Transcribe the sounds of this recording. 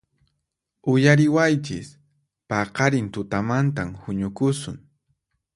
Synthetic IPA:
ʊjaɾɪwajt͡ʃɪs | pɑqɑɾɪnt̪ʊt̪amant̪amhʊɲʊkʊsʊŋ

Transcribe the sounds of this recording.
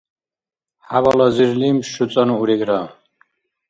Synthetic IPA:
havalaziɾlimʃut͡sʼanuuɾiɡɾa

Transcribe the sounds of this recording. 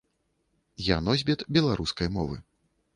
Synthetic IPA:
janɔzʲbʲɛt̪bʲɛlˠaɾuskɐjmɔvɨ̰

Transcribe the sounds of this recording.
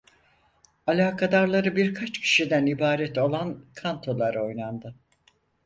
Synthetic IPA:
alʲaːkʰad̪aɾlˠaɾɯbiɾkʰat͡ʃcʰi̥ʃid̪ænibaːɾɛt̪o̞lˠankʰant̪ʰo̞lˠaɾo̞jnand̪ɯ

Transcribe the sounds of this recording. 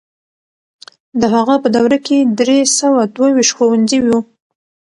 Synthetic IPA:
d̪əɦaɣapəd̪awɾaked̪ɾesawad̪wawiʃt̪xowanziwu

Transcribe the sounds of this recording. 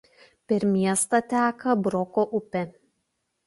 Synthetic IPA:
pʲɛɾmʲiɛst̪ɐt̪ʲæːkɐbɾɔkoːʔʊpʲe

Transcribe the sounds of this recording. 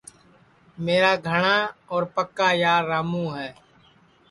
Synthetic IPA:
meːɾaːɡʱəɳaːɔːɾpəkːaːjaːɾːaːmũːɦɛː

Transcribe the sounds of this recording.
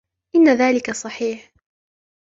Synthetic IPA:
ʔɪnːaðaːlɪkasˤɑħiːħ

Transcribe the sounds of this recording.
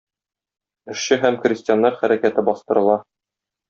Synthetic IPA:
ɘ̆ʃɕɘɦæmkrʲɪsʲtʲɪjanːɑɾχæɾækæt̪ɘbɒst̪ɤ̆ɾɤ̆lˠɑ

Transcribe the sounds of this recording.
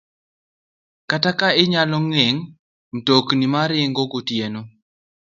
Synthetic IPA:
katakaɪɲalɔŋɛŋ | m̩toknimaɾɪŋɡoɡotjeno

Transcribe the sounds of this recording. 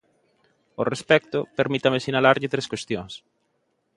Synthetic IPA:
orespɛk̚t̪opeɾmit̪amesinalaɾʎɪt̪ɾeskwest̪joŋs

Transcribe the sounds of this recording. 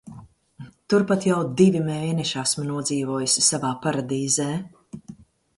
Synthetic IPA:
t̪uɾpat̪jawd̪ivimeːnɛʃasmnuɔd̪ziːvuɔjusʲi̥savaːpaɾad̪iːzɛː

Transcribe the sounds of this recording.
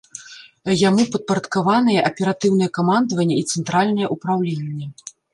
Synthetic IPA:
jamupɐt̪̚pɐɾɐt̪kavanɨjɛʔɐpʲɛɾat̪ɨwnɨjɛkamand̪vɐnʲːɛit̪sɛnt̪ɾalʲnɐjɛʔupɾawlʲenʲːɛ

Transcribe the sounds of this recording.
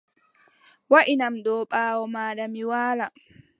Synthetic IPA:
waʔinamɗɔːɓaːwɔmaːɗamiwaːla

